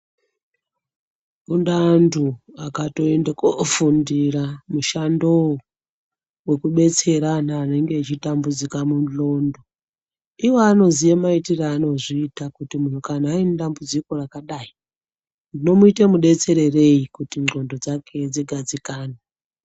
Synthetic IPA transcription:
undantʰuakato̞endekofundiramuʃando̞ | we̞kuɓe̞t͡se̞ɾanaːne̞ŋɡe̞ːt͡ʃitambud͡zikamunlo̞ndo̞ | iwoano̞zijemaitiraːno̞ʐiːtakutimun̤ukan̤aindambud͡ziko̞rakaɗai | ndino̞muitemuɗe̞t͡se̞ɾe̞re̞ikutiŋŋ͡ǃʱo̞ndo̞d͡zakʰe̞d͡ziɡʱad͡zikaːne

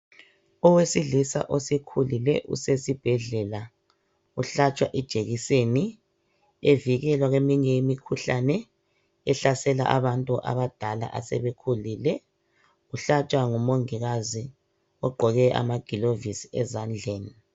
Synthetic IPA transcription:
ɔwesiɮisa̰ʔɔsekʰulilɛ̰ʔṵsesib̥ʱɛɮɛla | uɬat͡ʃʼwaʔɛd̥ʒ̥ʱeɣiseni | eviɣɛlwaɣemiɲɛjimikʰuɬanɛ | ɛɬasɛla̰ʔaβantʼuʔa̰βad̥ʱala̰ʔasɛ̰βekʰulilɛ | uɬat͡ʃʼwaŋumoŋiɣazi | ɔɡ͡ǃʱɔɣɛʔa̰maɡ̥ʱilovisiɛzand͡ɮʱeːni

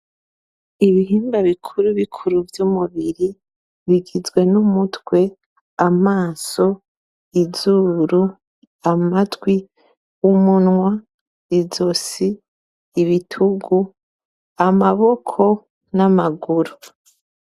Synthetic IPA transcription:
iβiɦiːmbaβikʰuɾuβikʰuɾuvjumuβiɾi | βiɡizɡwe̞numutwe̞ | amaːso̞ | izuɾu | amatwi | umunŋwa | izosiː | βitʰuɡu | amaβo̞kʰo̞ | namaɡuɾu

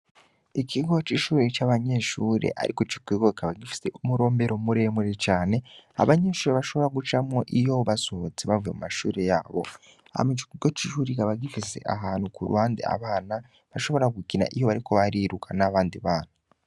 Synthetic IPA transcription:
iciɡot͡ʃiʃuːɾet͡ʃaβaɲe̞ʃuːɾḛʔa̰ɾʔikot͡ʃikwiːɡokʰaβaɡifi̥se̞ʔumuɾo̞ːmbe̞ɾo̞muɾe̞muɾet͡ʃaːne̞a̰βaɲe̞ːʃuːɾeβaʃo̞βo̞ɾaɡut͡ʃamŋoʔijo̞βasot͡seβavuje̞̰mumaʃuːɾe̞ja̰ːβo̞̰ | a̰met͡ʃi̥kuɡociʃuːɾikaβaɡifise̞̰ʔaɦaːnhukṵɾṵwaːndḛa̰βaːna | βaʃo̞βo̞ɾaɡukina̰ʔijo̞βaɾiko̞βaɾiːɾukʰanaβaːndiβaːn̥a

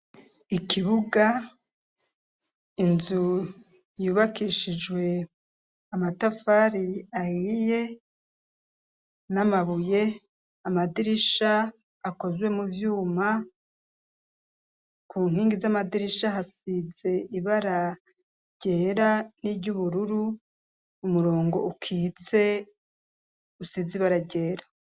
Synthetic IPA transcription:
ikʰiβuɡa | inzu | juːβakiʃid͡ʒwe̞ | amatafaɾiahije̞ | namaβuje̞ | amadiɾiʃaː | ko̞zwe̞muvjuːma | kʰuːŋ̥hiːŋɡizamadiɾiʃahasize̞iβaɾa | ɟ̥eːɾaniɟuβuɾuɾu | umuɾo̞ːŋɡo̞̰ukʰiːt͡se̞ | usiziβaɾaɟe̞ːɾa

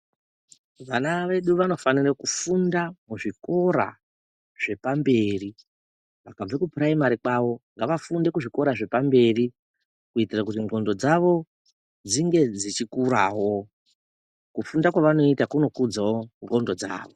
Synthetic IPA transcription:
ʋanaʋe̞ɗuʋano̞fanirakufundamuʐiko̞ɾa̰ | ʐ̥e̞pambe̞ri | ʋakab͡vekupraimaɾikwaʋo̞ŋɡaʋafunde̞kuʐiko̞ɾaʐe̞pambe̞ri | kuitirakutiŋɡo̞ndo̞d͡zaʋo̞ | d͡ziŋɡe̞d͡zit͡ʃikuɾawo̞ | kufundakwaʋano̞itakuno̞kud͡zawo̞ŋɡo̞ndo̞d͡za̰ːʋo̞

